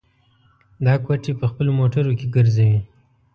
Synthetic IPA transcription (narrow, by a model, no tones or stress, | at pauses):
d̪ɑkwaʈipəxpəlomoʈaɾokeɡəɾzawi